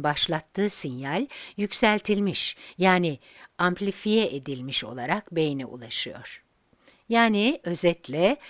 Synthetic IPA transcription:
baʃlˠat̪ʰːɯːsinjalʲjycsælʲt̪ʰilʲmiʃjaːniamplʲifijɛʔed̪ilʲmiʃo̞̰lˠaɾakbe̞jinɛṵlˠaʃɯjo̞̰ɾ̥ | jaːniø̞zɛt̪lʲɛ

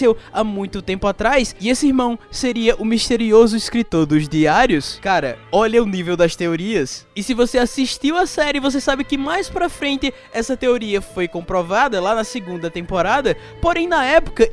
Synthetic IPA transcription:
ewamũj̃t̪ʊt̪ẽmpʊat̪ɾajsɪesɪiɾmɐ̃w̃seɾiɐʔʊmiʃt̪eɾiozʊiskɾit̪oɾd̪ʊzd̪iaɾiʊskaɾɐ̰ɔʎɐʊnivewd̪ɐst̪eoɾiɐsɪsɪvoseasiʃt̪iwɐsɛɾɪvos̬esabɪkɪmajspɾɐfɾẽnt̪ɪ | ɛsɐt̪eoɾiɐfojkõmpɾɔvad̪ɐlanɐsɪɡũnd̪ɐt̪ẽmpoɾad̪ɐ | poɾẽj̃nɐɛpʊ̥kɐ

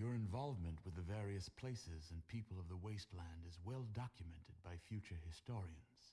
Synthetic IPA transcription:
jə˞ɨ̃ɱvɑlˠvmɨ̃nʔwɨðɨvɛɹiɨspʰl̥eɪsɪzɨ̃npʰipəlˠʌvðəweɪstˡlæ̃ndɨzwɛlˠdɑkʰjɨmɛ̃ntʰɨd̚baɪfjʉt͡ʃə˞hɨstɔɹiɨ̃nz̥

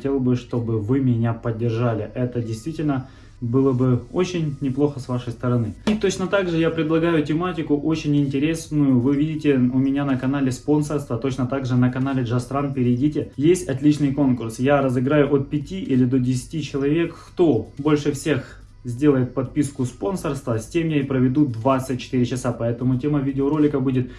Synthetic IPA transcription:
tʲe̞lˠbɨʂt̪o̞bɨvɨmʲɪnʲapədʲːɪrʐalʲɪʔɛt̪ədʲɪjst̪vʲitʲɪlʲnə | bɨlˠəbɨo̞t͡ɕɪnʲnʲɪplˠo̞xəsvaʂəjst̪əɾɐnɨit̪o̞t͡ɕnət̪aɡʐɨjapɾʲɪd̪lˠɐɡajʊtʲɪmatʲɪkʊʔot͡ɕɪnʲɪnʲtʲɪɾʲe̞snʊjʊvɨvʲidʲɪtʲɪʊmʲɪnʲanəkɐnalʲɪspo̞nsərst̪vət̪o̞t͡ɕnət̪aɡʐɨnəkɐnalʲɪʐast̪ɾanpʲɪɾʲɪdʲitʲɪjesʲtʲɐt̪lʲit͡ɕnɨjko̞nkʊrsjaɾəzɨɡɾajʊʔot̪̚pʲɪtʲiʔilʲɪd̪o̞dʲɪsʲɪ̥tʲit͡ɕɪlˠɐvʲe̞kːt̪o̞bo̞lʲʂɨfsʲe̞x | zʲdʲe̞lˠəjɪt̪̚pɐt̪̚pʲiskʊspo̞nsərst̪vəsʲtʲe̞mjaipɾəvʲɪd̪ud̪vat̪sɨt̚ʲt͡ɕːɪ̥t̪ɨɾʲɪt͡ɕɪsapɐɛt̪əmʊtʲe̞məvʲidʲɪoɾo̞lʲɪkəbudʲɪt̪̚

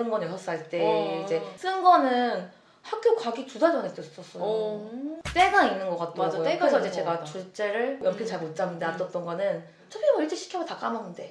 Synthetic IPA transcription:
ɯnɡʌnesʰʌs͈aɭt͈e̞id͡ʑe̞s͈ɯnɡʌnɯn | hak̚k͈jokaɡitudad͡ʑʌnet͈es͈ʰs͈ʌs͈ʌo | t͈e̞ɡaŋinːɯnɡʌk͈at̚t͈ʌaɡooɯɾesʌid͡ʑe̞t͡ɕe̞ɡat͡ɕuɭt͡ɕ͈e̞ɾɯɭjʌmkʰint͡ɕaɭmot̚t͡ɕ͈amɲidat͈ʌt͈ʌnɡʌnɯn | t͡ɕʰʌbiʌmoiɭt͈ʰeɕʰi̥kʰjʌmʌtak͈amanɯnde̞

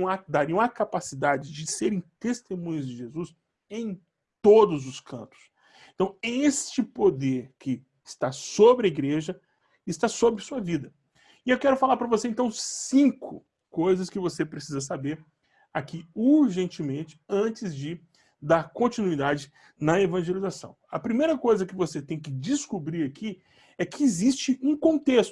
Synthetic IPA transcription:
ɐd̪aɾiɐ̃ɐkapasid̪ad͡ʒɪd͡ʒɪseɾẽj̃t̪est̪emũɲʊzd͡ʒɪʒezus | ẽj̃ | t̪od̪ʊzʊskʰɐ̰̃nt̪ʊ̥s | ẽt̪ɐ̃w̃est͡ʃɪpod̪eɾkɪ | ɪst̪asobɾɪɐiɡɾeʒɐ | ɪst̪asobɾɪsuɐvid̪ɐ | ɪewkɛɾʊfalaɾpɾɐvosẽnt̪ɐ̃w̃sĩkʊ̰ | kojzɐskɪvosepɾesizɐs̬abeɾ | akiuɾʒẽnt͡ʃɪmẽnt͡ʃɪ̥ɐ̃t͡ʃɪzd͡ʒɪ | d̪aɾkõnt͡ʃinuid̪ad͡ʒɪ | nɐevɐ̃ʒelizasɐ̰̃w̃ɐpɾimejɾɐkojzɐkɪvoset̪ẽj̃k̬ɪd͡ʒɪskubɾiɾakʰi | ɛkʰɪːzist͡ʃɪũkõnt̪est̪

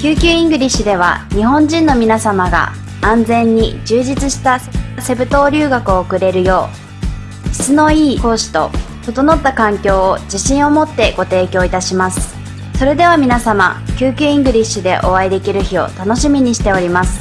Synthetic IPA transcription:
kʲɨːkʲɨːĩŋɡɯ̟ɾʲiɕɨd̪e̞β̞a̰ɲ̟iɦõ̞ɲd͡ʑĩnːo̞mʲinasamaɡa̰ | ãnd͡zẽ̞ɲ̟ːid͡ʑɨːʑit͡sɨɕi̥t̪asse̞bɯ̟t̪o̞ːɾʲɨːɡakɯ̟o̞ːkɯ̟ɾe̞ɾɯ̟jo̞ː | çi̥t͡sɨno̞iːko̞ːɕi̥t̪o̞̰t̪o̞t̪o̞no̞t̪ːakãŋkʲo̞ːod͡ʑiɕĩɰ̃o̞mo̞t̪ːe̞ɡ̥o̞t̪e̞ːkʲo̞ːit̪aɕimasɨ̥ | so̞ɾe̞d̪e̞β̞amʲinasama̰kʲɨːkʲɨːĩŋɡɯ̟ɾʲiɕɨd̪e̞̰ʔo̞aid̪e̞kʲiɾɯ̟çio̞̰t̪ano̞ɕimʲiɲ̟iɕi̥t̪e̞o̞ɾʲimasɨ̥

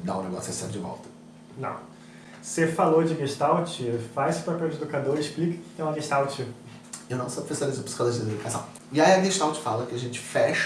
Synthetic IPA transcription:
d̪a̰ũneɡɔ̰sɐsḛ̃d͡ʒɪvɔ̰wˠt̪ɐ̥ | nɐ̰̃w̃ | sefalod͡ʒɪɡeʃt̪awt͡ʃɪfazsewpapɛwd͡ʒed̪ukad̪oɾɪʃplikɐ̥kɪ̥t̪ẽj̃ũɐɡeʃt̪awt͡ʃɪ | ewnɐ̃w̃sɔpɾfesaɾizʊ̃pi̥skad̪oɾzd͡ʒed̪d̪ukasɐ̰̃w̃ | ɪaiɐɡeʃt̪awt͡ʃɪ̥falɐkɪaʒẽt͡ʃɪ̥fɛʃ

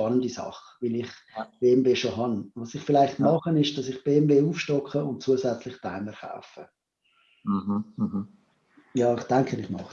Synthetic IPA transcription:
ɑnəndisɑ̰χ | vɪlɪχ | b̥eːɛmveːʃoɦɑnvɑsɪχfɪlaɪχtmɑχənɪʃd̥ɑsɪχb̥eːɛmveːuːfʃtɔkχəʊnt̚t͡suəzɛt͡slɪχtaɪməɾχa̰ʊfə | jɑːɪχd̥ɛŋkʰəɪχmɑ̰χ

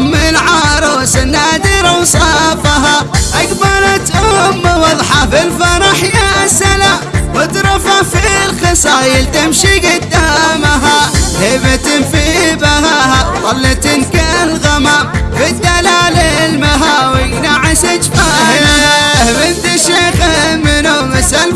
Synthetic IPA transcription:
mːɪlʕɑɾˤɑsanːad̪ɪɾawsˤɑfaɦaʔakbɑɾˤɑt̪ʔʊmːwɑðˤħɑfɪlfɑɾˤɑħjasalawɪd̪ɾˤɑfafilxɨsˤɑjɪlt̪ɪmʃiɡɪd̪ːamaɦahɪbɪt̪ɪnfibahahaðˤɑlːɪt̪ɪnkalɣamamfid̪ːalaːlɪlmaɦawɪjnaʕasɪt͡ʃfa | bɪnt̪aʃeqamːɪnʊmɪsal

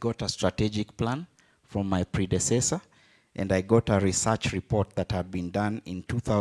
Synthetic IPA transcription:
ɡɔɾəstɹ̥ətɛd͡ʒɨk̚pʰlãn | fɹʌ̃mːaɪpʰɹ̥idɨsɛsə˞ | ʔɨ̃naɪɡɔɾəɹisɜ˞t͡ʃɹipɔɹt̪̚ðɨt̚həd̚bĩndʌ̃nɪ̃ntʰuθaʊ

